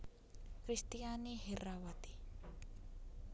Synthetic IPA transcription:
kɾist̪ijaniherawat̪i̥

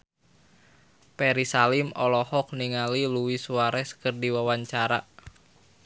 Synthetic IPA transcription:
pɛɾisalɪmɔlɔhɔk̚niŋaliluwisuaɾɛskɨrdiwawaɲt͡ʃaɾa

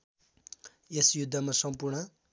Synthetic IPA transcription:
esjud̪ʱːʌmasʌmpurɳʌ

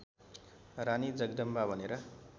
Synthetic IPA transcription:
ranid͡zʌɡd̪ʌmbabʱʌneɾʌ

